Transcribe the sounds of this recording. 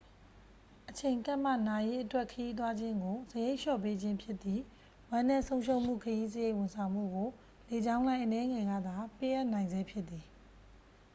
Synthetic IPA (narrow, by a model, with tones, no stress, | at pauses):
ʔət͡ɕʰẽ˨ɪ̃ŋka˦ʔm̥a̰˦˨na˨je˦ʔətwɛ˦ʔkʰəji˦t̪̬wa˦d͡ʑɪ̃˦ŋɡo˨zəje˦ɪʔʃɔ̰˦˨pe˦d͡ʑɪ̃˦mpʰjɪ˦t̪ːði˦˨ | wã˦nɛ̃˦˨sʰõ˦ʊ̃ʃʰõ˦ʊ̃m̥ṵ˦˨kʰəji˦zəje˦˨ʔwʊ̃˨nsʰã˨ʊ̃m̥ṵ˦˨ɡo˨ | le˨d͡ʑã˦ʊ̃lã˦ɪ̃ʔənɛ˦ŋɛ˨ɡä̰˦˨d̪a˨pe˦ʔa˦ʔnã˨ɪ̃nzɛ˦pʰjɪ˦t̪t̪ːi˨